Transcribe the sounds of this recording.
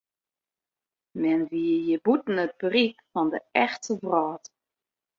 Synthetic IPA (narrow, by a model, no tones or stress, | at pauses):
mɛnʋiəjəbutn̩ət̚b̥rikfɔndəʔɛxtʰəvraːt